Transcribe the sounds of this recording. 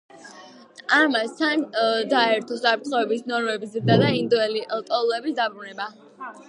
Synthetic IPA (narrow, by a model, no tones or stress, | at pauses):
amast̪ʰand̪aɛɾt̪ʰɔsapʰɾt̪ʰχɔɛbisnɔɾmɛbizɾd̪ad̪aind̪uɛliʔlt̪ʼɔlˠuɛbisd̪abɾunɛba